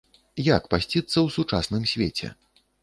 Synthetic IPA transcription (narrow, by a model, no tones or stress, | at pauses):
jakpasʲt͡sʲit̪sːɐwsut͡ʂasnɨmsʲvʲet͡sʲɛ̰